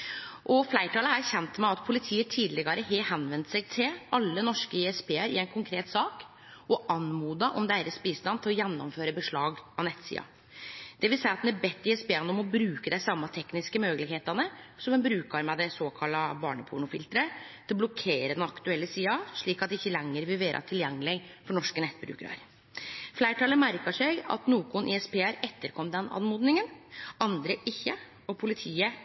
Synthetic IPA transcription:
ʔɔflæɪʈʰɑːləææçɛnt̪mæɑt̪pʰʊlɪt̪ʰiːət̪ʰiːd̪lɪɡɑɾəɦeːhɛnʋɛnt̪sɛɡ̚t̪ʰɪlʔɑlːənɔʂkəiɛspeːəɾɪ̰ɛɪnkʰʊŋkʰɾeːt̪sɑːk | ɔʔɑnmuːd̪ɑʔɔmd̪æːɾəsbiːst̪ɑnt̪ʰɪlɔjɛnːɔ̰mføːɾəbəʂɭɑːɡɑnɛt̪ːsḭːɑ̰ | d̪̥ɛʋɪlsæɪɑt̪d̪næɾbɛt̪ːɪɛspeːɑnəɔmɔbɾʉːkəd̪æɪsɑmːɑt̪ʰɛknɪskəmøːɡəlɪɡheːt̪ɑnəsɔmɛnbɾʉːkɑɾmɛd̪ɛsoːkʰɑlːɑbɑ̰ːɳəpʰʊ̰ɳʊfɪlt̪ɾət̪ʰɪlɔblɔkʰeːɾəd̪ɛnɑkt̪ʉɛlːəsiːɑʂɭiːkɑt̪̚d̪ɛɪçːəlɛŋːəɾʋɪlʋeːɾʔɑ̰t̪ʰɪljɛŋːəlɪfɔɳɔʂkənɛt̪ːbɾʉ̰ːkəɾɑ̰ɾ | flæɪʈʰɑləmæɾkɑʂɛɡɑ̰t̪nuːkʊnʔɪ̰ɛspʰeːæɾɛt̪ːəɾkʰɔmːd̪ɛnɑ̰nmuːd̪nɪŋənɑnd̪ɾəʔɪçːə | ɔpʰʊlɪt̪ʰiːə

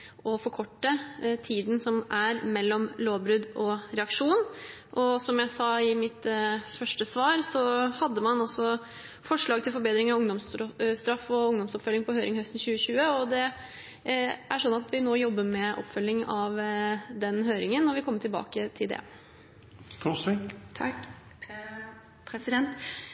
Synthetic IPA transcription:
ɔfɔɾkʰɔʈːət̪ʰiːd̪n̩sɔmʔæɾmɛlːɔmloːʋbɾʉd̪ɔɾɛɑkʂuːn | ʔɔsɔmjæɪsɑːɪmɪt̪fœʂʈəsʋɑːɾsɔhɑd̪ːəmɑnɔsɔ | fɔʂɭɑːɡ̚t̪ʰɪlfɔɾbeːd̪ɾɪŋəɑʊŋd̪ɔmsst̪ɾɑfɔʊŋd̪ɔmsɔpfœlːɪŋpʰɔhøːɾʔɪŋhœst̪n̩ɕʉːəɕʉːəɔd̪ɛ | ʔæʂɔnːɑt̪ʰʋɪnoːjɔbːəmɛʔɔ̰pːfœlːɪŋɑʋd̪ɛnɦøːɾɪŋənːɔɾʋɪkʰɔmːəʈʰɪlbɑ̰ːkət̪ʰɪld̪ɛ̰ | t̪ʰusʋɪ | pʰɛsɪɛnt̪

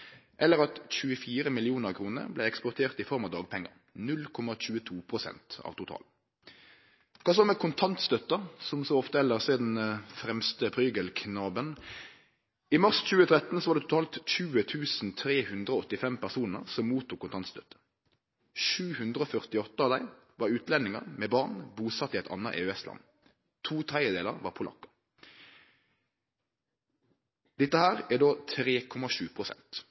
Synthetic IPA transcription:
ʔɛlːəɾɑt̪c͡çʉːəfiːɾəmɪlɪuːnəʁkʰʁuːnə̰ʁblɛɛkspɔʁt̪ʰeːʁt̪ɪfɔʁmɑd̪ɑːɡ̚pʰɛŋːə̰ʁ | nʉlkʰɔmɑc͡çʉːət̪ʰuːpʰʁʊsɛ̰nt̪ɑ̰ʋt̪ʊt̪ʰɑ̰ːl | kʰɑːs̬ɔmɛkʰʊnt̪ʰɑnt̪st̪œt̪ːəsɔmsɔɔft̪əɛlːəʁseːd̪n̩fɾɛmst̪əpʰʁyːɡəlkʰnɑːbən | ɪmɑʁsc͡çʉːət̪ʰʁɛt̪ːn̩sɔʋɑːʁd̪ɛt̪ʰʊ̥t̪ɑːlt̪c͡çʉːət̪ʰʉːsn̩t̪ʰʁeːhʉnd̪ʁəoɔt̪ːɪfɛmpæʁsuːnə̰ʁsɔmːuːt̪ʊkʰʊnt̪ɑnst̪œt̪ːə̥ | ʃʉːhʉnd̪ʁəoːfœʁt̪ɪɔt̪ːəɑʋd̪æɪ | ʋɑːʁʉːt̪ʰlɛnːɪŋə̰ʁmeːbɑʁnbuːsɑt̪ːiːɛɪt̪ɑ̰nːɑʔḛːøɛslɑ̰n | t̪ʰuːt̪ʰæɪəd̪eːləʁʋɑ̰ːpʰʊlʔɑ̰kːɑ̥ | d̪̥ɪt̪ːəhæːʁæd̪oːt̪ʰʁeːkʰɔmɑʃʉːpʰʁʊsɛ̰nt̪

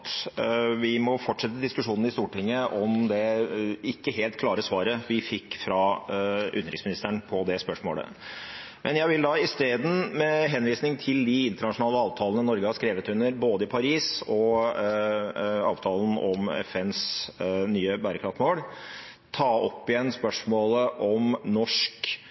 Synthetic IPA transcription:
t̪ʋɪmɔfɔʈʂɛt̪ːəəd̪ɪskʉʂuːnn̩ɪst̪uːʈɪŋːəʔɔmd̪ɛɪkːəɦeːlt̪kʰlɑːɾəsʋɑːɾəʋɪfɪkːfɾɑʔʉ̰nːəɾɪksmɪnɪst̪əɳpʰɔd̪ɛspœʂmo̰ːlə̰ | mʔɛnjæɪʋɪld̪ɑɪst̪eːd̪n̩mɛɦɛnʋiːsnɪŋt̪ʰɪld̪ɪɪnt̪əɳɑʂʊnɑːləɑːʋt̪ʰɑːlənəɪnɔɾɡəhɑʂkɾeːʋət̪ʉnːəɾboːd̪əɪpʰɑɾiːsɔ | ɑ̰ːʋt̪ʰɑːlən̩ɔmɛ̰fɛnsnyːəbæɾəkʰɾɑft̪moːl | t̪ʰɑːɔpːɪjɛnspœʂmoːləʔɔmnɔʂk

